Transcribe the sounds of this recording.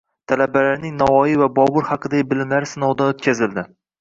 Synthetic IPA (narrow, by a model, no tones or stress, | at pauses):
t̪ʰalabalaɾnɪŋnɒvɒjivabɒbʊɾhɑqʰɨd̪aɪbɪlɪmlaɾsɪnɒwd̪aot̪kʲazɪld̪ɪ